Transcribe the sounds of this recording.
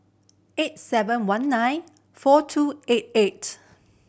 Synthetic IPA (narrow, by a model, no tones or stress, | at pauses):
et̚sɛvə̃nwãnːãj̃n | fɔtʰuet̚et